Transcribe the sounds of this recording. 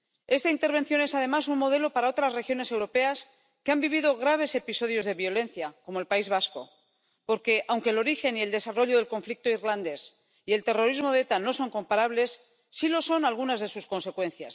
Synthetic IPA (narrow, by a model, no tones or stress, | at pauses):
e̞st̪aint̪e̞ɾβ̞e̞n̟θjo̞ne̞saðe̞masunmo̞ð̞e̞lo̞paɾao̞t̪ɾasre̞xjo̞nese̞wɾo̞pe̞as | keambiβiðo̞ɣ̞ɾaβ̞e̞se̞piso̞ð̞jo̞zðe̞βjo̞le̞nθjako̞mo̞elpaizβasko̞̰ | po̞ɾke̞ʔawŋkelo̞ɾixe̞nie̞ld̪e̞saro̞ʎoð̞e̞lko̞ɱflik̚t̪oirland̪e̞s | ie̞lt̪e̞ro̞ɾizmo̞ðet̪ano̞so̞ŋko̞mpaɾaβle̞sː | ilo̞so̞nalɣunazðe̞susko̞nse̞kwẽ̞n̟θja̰s